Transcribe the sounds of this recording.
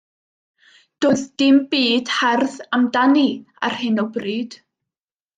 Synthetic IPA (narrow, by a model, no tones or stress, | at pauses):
d̥oːðd̥ɪmbiːd̥hɛrðamdani | a̰r̥hɨnɔbriːd̥